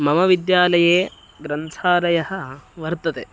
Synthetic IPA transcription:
mɐmɐʋid̪jaːlɐjeː | ɡɾɐnt̪ʰaːlɐjɐɦɐʋɐɾt̪ɐt̪e

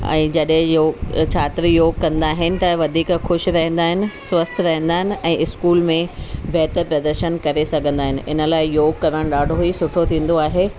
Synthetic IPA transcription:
ɛ̰̃ːd͡ʑɐɗɦɪ̃joːt͡ɕʰaːt̪ɾijoːɡ̚kɐ̃nd̪aːɦɪnɪ̆t̪ɐʋɐd̪ʱiːkxʊʃɾɐɦɛ̃nd̪aːɦɪnɪ̆swɐst̪ʰɾɐɦɛ̃nd̪aːɦɪnɪ̆ɛ̃ːʔɪskuːlmẽbɛːt̪əɾpɾɐd̪əɾʃənkɐɾesɐɡʱə̃nd̪aːɦɪnɪ̆ʔɪ̰nə̆laːɪjoːɡkɐɾəɽ̃ɗaːɖʱoisʊʈʰot̪ʰĩːn̆d̪oaːɦeː

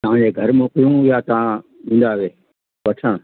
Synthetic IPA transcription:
t̪ɐʋ̤ãːɲd͡ʑeːɡʱɐɾmoːkijũɦjaːt̪ɐʋ̤ãĩːnd̪aʋeː | pɐʈʰəɽ̃

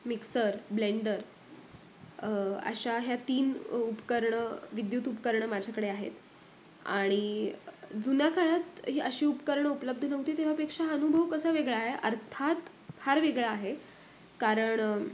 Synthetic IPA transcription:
miksəɾbleɳɖəɾ | ə̰ɕaɦjat̪iːnupkəɾɳəʋid̪juːt̪upkəɾɳəmad͡ʑʱjakəɽeaɦḛt̪ | a̰ɽ̃i | d͡zunakaɭat̪ɦiʔəɕiːupəkəɾɳəupləb̚d̪ʱənəɡt̪iːt̪eʋ̤apekʂaənubʱəʋkəsəʋeɡɭaːɦeʔə̰ɾt̪ʰat̪ | haɾʋeɡɭaːɦe | kaɾəɳ

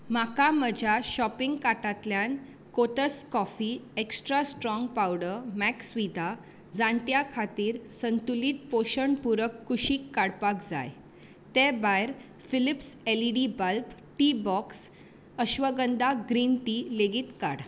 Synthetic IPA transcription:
makaməd͡ʑʱjaɕɔpiŋɡkaʈat̪ljan | kot̪əskɔfiːeksʈɾasʈɾɔŋɡpawɽəmɛksʋid̪ʱa | d͡zãɳʈ̪jakʰat̪iːɾsənt̪uliːt̪̚poɕəɳpuɾəkːuɕiːkːaɽpakd͡za̰j | t̪ebajɾ | filipseliɖibalp | ʈibɔks | əɕʋəɡənd̪aɡɾinʈileɡiːt̪ka̰ɽ

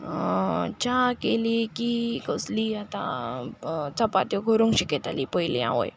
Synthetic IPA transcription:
t͡ɕakelikikəsliat̪ã̰ | t͡sapat̪jɔɡʱoɾũŋkɕikɛt̪alipəjlḭ̃ã̰ʋə̰j

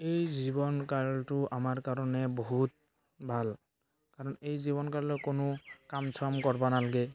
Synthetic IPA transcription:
ejzibɔnkaltʊʔamaɹkaɹɔnɛbɔɦut̚ | bʱal | kaɹɔnejziβɔnkalʊkonʊkamsʰɔmkɔɹbanalaɡɛ

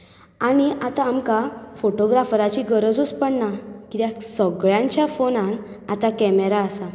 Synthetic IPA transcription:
añiat̪aːmkafoʈoɡɾafɾat͡ɕiɡəɾəd͡zut͡spəɳnakit̪jasəɡɭjãɲt͡ɕjafonãn | at̪akɛmeɾaəsa

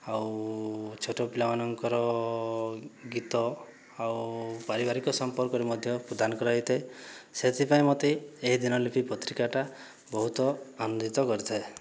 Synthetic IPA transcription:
aw | t͡ʃʰoʈopilamanɔŋkɔɾɔ | ɡit̪ɔ | awpaɾibaɾikɔsɔmpɔɾkɔɾemɔd̪ʱjɔpɾɔd̪ʱanɔkɔɾajt̪ʰeeset̪ʰipaĩmɔt̪eeɦid̪inɔlipipɔt̪ɾikaʈa | bɔɦut̪ɔanud̪it̪ɔkɔɾit̪ʰae

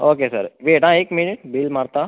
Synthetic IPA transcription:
oːkesə̰ɾʋeːʈãːeːkmɪnɪʈ̚biːlmaːɾt̪aː

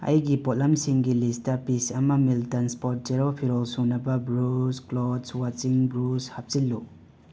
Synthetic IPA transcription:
ɐ̰jɡipot̚lamsiŋɡilistɐpisɐmɐmiltɐnspoɾt̚d͡ʒeɾopʰiɾolsunɐbɐbɾusklodswat͡ʃiŋbɾushap̚t͡ʃilːu

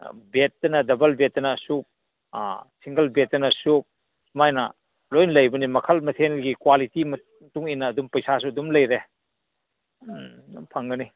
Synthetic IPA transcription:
bet̚ːɐnɐdɐbɐlbetːɐnɐsuk̚ | siŋɡɐlbetːɐnɐsuk̚ | sumajnɐ̰ | lojnlɐjbɐnimɐkʰɐlmɐtʰenlɡikwalitimɐ | tuŋinːɐːdumpɐjsas̬uɐdumlɐjɾe | umpʰɐŋɡɐni

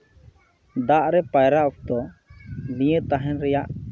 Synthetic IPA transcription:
d̪aʔɾɛpajɾaʔɔp̚d̪ɔ | lijət̪aɦɛnɾɛjaʔ

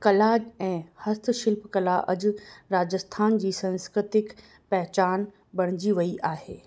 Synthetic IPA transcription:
kɐlaːd͡ʑɛ̃ːhɐst̪ʰʃɪlpkɐlaʔɐd͡ʑʊ̆ɾaːd͡ʑəst̪ʰaːnd͡ʑiːsɐ̃nskɾɪt̪ɪk | pɛɦt͡ɕaːn | bɐɽ̃ɪd͡ʑiʋɐiʔaːɦeː

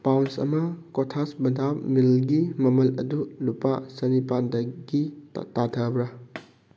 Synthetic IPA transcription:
pawnsɐ̰mɐkotʰasbɐdʱamilɡimɐmɐlɐ̰dulupasɐnipandɐɡḭtatʰɐbɾɐ

